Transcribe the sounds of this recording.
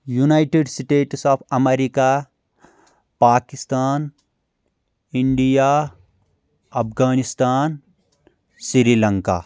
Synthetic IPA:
junaʈeɖsʈeːʈsɔːpʰɐmeɾika | paːkist̪aːn | iɳɖija | ɐpʰɡaːnist̪aːn | siɾiləŋka̰

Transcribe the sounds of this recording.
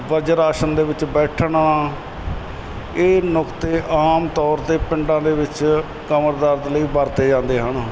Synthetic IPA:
ʋəɾd͡ʒɾaːʃənd̪eːʋɪt͡ʃbɛːʈʰɳɳaː | eːnɔkt̪eːʔaːmt̪ɔːɾt̪eːpɪɳɖãːd̪eːʋɪt͡ʃ | kəməɾd̪əɾd̪ləiːbəɾt̪eːd͡ʒãːnd̪eːɦəɳ

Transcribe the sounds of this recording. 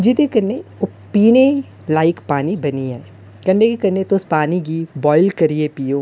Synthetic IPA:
d͡ʒɪt̪ekɐɾneʊ | piːne | laːɪkpaːnibɐniaːe | kɐ̃ɳɖekekɐɾnet̪ospaːniɡibɔːɪlkɐɾiepiːoː

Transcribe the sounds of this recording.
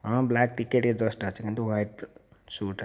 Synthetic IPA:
ɦʌ̃blak̚ʈikeʈed͡zʌsʈʌt͡sʰikant̪owajʈsuʈ

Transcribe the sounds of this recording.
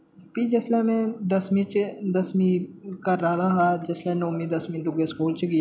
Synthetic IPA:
pid͡ʒɐslamẽd̪ɐsmĩt͡ʃd̪ɐsmĩkɐɾaːd̪aɦad͡ʒɐslɛnoːmĩd̪ɐsmĩd̪ʊɡeskuːlt͡ʃiɡi

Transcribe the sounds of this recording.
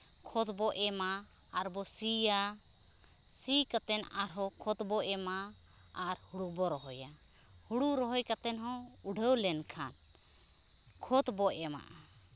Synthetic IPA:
kʰɔt̪bɔʔɛmaː | ɾbɔsija | sikat̪ɛnaɾɦɔkʰɔt̪bɔʔɛmaː | ɾhuɽubɔɾɔɦɔja | huɽuɾɔɦɔjkat̪ɛnɦɔ̃ | uɖʱəwlɛnkʰan | kʰɔt̪bɔɛma̰ʔa

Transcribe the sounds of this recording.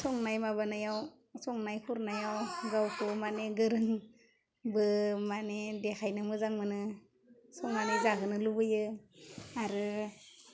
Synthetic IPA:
sɔŋnajmaβanajaw | sɔŋnajkʰuɾnajawɡawkʰɯmaneɡɯɾɯŋ | bɯmanedekʰajnɯmɯzaŋmɯnɯ | sɔŋnanezaɦɯnɯlubɯjɯ | aɾɯ

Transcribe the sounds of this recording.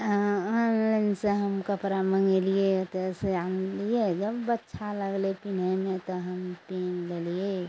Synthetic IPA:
ənlenseɦəmkəpɾaməŋɡeliet̪ɛseanlied͡ʒəbːətːʃʰaləɡlepin̤emet̪ɔɦəmpenlelije

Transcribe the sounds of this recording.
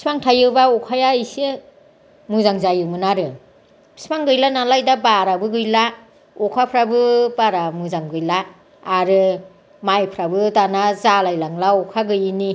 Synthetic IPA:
ispaŋtʰajɯbaɔkʰajaɯjsɯ | mɯzaŋzajɯmɯnaɾɯ | bʰi̥spaŋɡɯjlanalajdabaɾabɯɡɯjla | ɔkʰapʰɾabɯbaɾamɯzaŋɡɯjlaː | ɾɯ | majpʰɾabɯdanazalajlaŋlaɔkʰaɡɯjini

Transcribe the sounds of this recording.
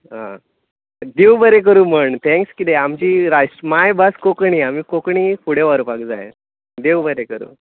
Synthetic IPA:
ɦã̰ | d̪ewbəɾek̬əɾuːməɳt̪ʰɛ̃ŋkskid̪eamt͡ɕiːɾajsʈmajbəskokɳiːamiːkokɳiːkʰuɽeʋaɾupakd͡zaje | d̪ewbəɾekəɾṵː

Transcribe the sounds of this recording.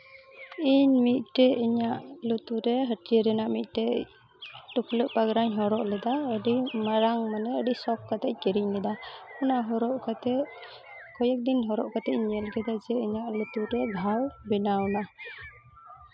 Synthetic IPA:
iɲmit̪̚ˀʈɛiɲaʔlut̪uɾɛɦəʈiəɾɛnaʔmit̪̚ˀʈɛ | ʈukləʔpaɡɾaɲɦɔɾɔʔlɛd̪aəɖimaɾaŋmanɛəɖisɔkːat̪ɛc̚kɛɾicnɛd̪aunaɦɔɾɔʔkat̪ɛ | kɔjak̚d̪inɦɔɾɔʔkat̪ɛcɲɛlɡɛd̪ad͡ʒɛiɲaʔlut̪uɾɛɡʱalbɛnawna

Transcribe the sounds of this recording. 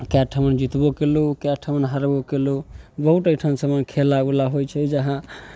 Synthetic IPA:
kaʈʰəmənd͡ʒit̪bokelukɛʈʰəmənɦəɾbokelobəɦuʈəkʈʰənsəmənkʰelaulaɦojt͡ʃʰɛd͡ʒəɦã

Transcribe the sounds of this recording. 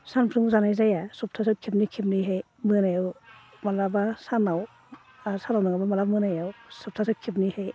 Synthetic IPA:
sanpʰɾɯŋzanajzajasɔp̚tʰas̬ɯkʰipnikʰipniɦɯj | mɯnajaw | malabasanaw | sanawnaŋɡabamalabmɯnajawsɔp̚tʰasɯkʰip̚nihɯj

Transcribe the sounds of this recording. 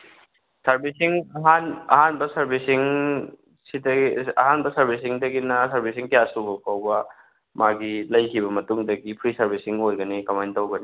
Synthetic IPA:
sɐɾbisiŋɐɦanɐɦanbɐsɐɾbisiŋ | sidɐ̰ɦanbɐsɐɾbis̬iŋdɐɡinɐsɐɾbʱisiŋkijasubɐpawbɐ | maɡilɐjkʰibɐmɐtuŋdɐɡipʰɾisɐɾbʱisiŋojɡɐnikɐmajntɐwɡɐni

